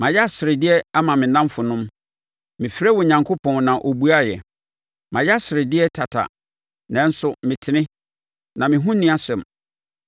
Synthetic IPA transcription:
mã˨jɛ˦a˦˨sɪ˨ɾɪ˨dɪ˦ɛ˦a˦mã˨mɪ̃˨nã˦mfʊ˨nʊ̃˦m | mɪ̃˨fɾɛ˦wɔ˨ɲã˨ŋkʰo˦pʰɔ̃˨nnã˨ʔo˨bu˦a˦jɛ̰˨ | mã˨jɛ˦a˦sɪ˨ɾɪ˨dɪ˦ɛ˦tʰa˨tʰa̰˨ | nɛ̃˦n̩˦sʊ˨mɪ̃˨tʰɪ˦nɪ̃˦ | nã˨mɪ̃˨ɦʊ̃˦nĩ˦a˦sɛ̃˨m

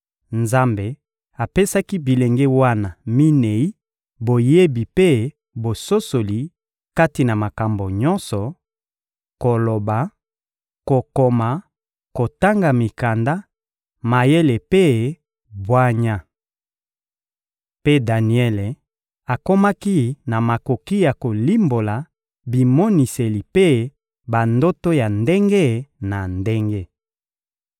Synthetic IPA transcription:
nza˦mbe˨ | a˨pe˦sa˦ki˦bi˨le˨ŋɡe˦wa˦na˨mi˦ne˨i˦ | bo˨je˦bi˨pe˦ | bo˨so˦so˨li˨ | ka˦ti˨na˨ma˨ka˨mbo˨ɲɔ˦nsɔ˨ | ko˨lo˨ba˨ | ko˨ko˨ma˨ | ko˨ta˦ŋɡa˨mi˨ka˨nda˦ | ma˨je˦le˨pe˦ | bwa˦ɲa˦ | pe˦da˨ni˨ɛ˦le˨ | a˨ko˦ma˦ki˦na˨ma˨ko˨ki˦ja˨ko˨li˦mbo˨la˨ | bi˨mɔ˦ni˨se˨li˨pe˦ | ba˨ndo˦to˦ja˨nde˦ŋɡe˦na˨nde˦ŋɡe˦

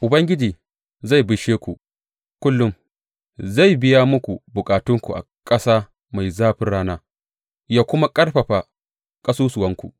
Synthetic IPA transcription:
ʔʊ˨bɐ˦ŋɡʲɪ˦d͡ʒiː˨ | za˦˨jbʊ˨ʃeː˦kʷṵ˨ʔ | kʷʊ˦lːʊ˦m | za˦˨jbɪ˦ja˦mʊ˦kʷu˨bʊ˨kʼaː˨tʊ˦ŋkʷṵ˨ʔa̰˨kʼɐ˦saː˦ | ma˨jzaː˦ɸɪ˦nɽaː˦naː˦ | jaː˦kʷʊ˦ma˦kʼɐ˦ɽɸɐ˨ɸaː˨ | kʼɐ˦suː˦sʊ˨wɐ˦ŋkʷṵ˨ʔ

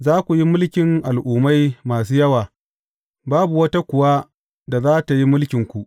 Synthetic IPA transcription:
zaː˦kʷu˨ji˦mʊ˦lkʲɪ˨ŋʔa˨lʔuː˨ma˦jmaː˨s̬uː˦jɐ˦waː˨ | baː˦bu˨wɐ˦ta˦kʷʊ˨wa˦ | da˨zaː˦ta˨ji˦mʊ˦lkʲɪ˨ŋkʷu˨ʔ

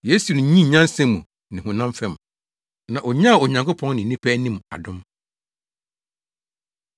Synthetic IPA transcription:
jeː˦su˨nʊ̃˨˦ɲĩ˦ɲã˦n˦sɛ̃˦mːũ˨ | nɪ̃˨hʊ̃˨nã˦m˦fɛ˦m˨ | nã˨ʔɔ˨ɲã˦˨ɔ˨ɲã˨ŋkʊ˦pʰɔ̃˦ŋnɪ̃˨nĩ˦pʰɛ˦nĩ˦m˨a̰˨dʊ̃˦m

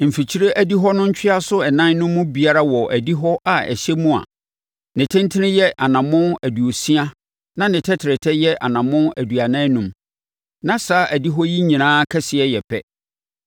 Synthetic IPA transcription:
m̩˨fi˨t͡ɕʰi˦ɾe˦ʔæ˦di˦ɦɔ˦nʊ̃˦ɲ̩˦t͡ɕʰᶣɪ˦a˦sʊ˦ɛ˨nã˦n˦nʊ̃˦mːʊ̃˦bi˨a˦ɾa˦wɔ˨ʔæ˨di˦ɦɔ˦ʔa˨ɛ̰˨ɕɛ˦mũ˦a̰˨ | nɪ̃˨tʰɪ̃˦ntʰɪ˦nɪ̃˦jɛ˦ʔa˨nã˨mʊ̃˦æ˨du˨o˨si˦a˦ | nã˦nɪ̃˨tʰɛ˦tʰɪ˨ɾɛ˨tʰɛ˦jɛ˦ʔa̰˨nã˨mʊ̃˦æ˨du˨a˨nã˦nũ˨m | nã˨saː˨˦ʔæ˨di˦ɦɔ˦ji˦ɲĩ˨nãː˦kʰɛ˦sɪ˨ɛ˦jɛ˨pʰɛ̰˦

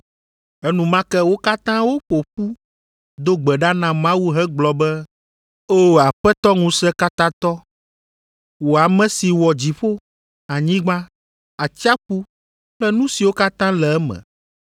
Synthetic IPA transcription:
ɛ˦nũ˨mã˦kɛ˦wo˦ka˦t̪ã˦wo˦ɸo˨ɸu˦ | d̪o˦ɡ͡bɛ˨ɖa˦nã˨mã˦wu˦ɦɛ˦ɡ͡blɔ˨bɛ˦ | o˦a˨ɸɛ˦t̪ɔ˦ŋũ˨sɛ˦ka˦t̪ã˦t̪ɔ˦ | wo˨a˨mɛ̃˨si˨wɔ˨d͡ʑi˨ɸo˦ | a˨ɲĩ˦ɡ͡bã˦ | a˨t͡ɕi˦a˦ɸu˦ | ɸlɛ˦nũ˦si˨wo˦ka˦t̪ã˦lɛ˨ɛ˦mɛ̰̃˨

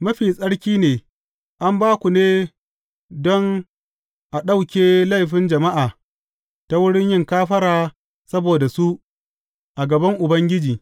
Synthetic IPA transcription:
mɐ˦ɸiː˨sʼɐ˦ɽkʲiː˦neː˨ | ʔa˦mbaː˦kʷu˨neː˦ | dɔ˦ŋ | ʔa˨ɗa˦˨wkʲeː˦la˦jɸɪ˦nd͡ʒɐ˨ma˦ʔaː˨ | ta˦wʊ˦ɽɪ˦ɲjɪ˦ŋkaː˦ɸɐ˦ɾaː˨ | sɐ˦boː˨da˨su˦ʔ | ʔa˨ɡɐ˨bɐ˦ŋʔʊ˨bɐ˦ŋɡʲɪ˦d͡ʒiː˨

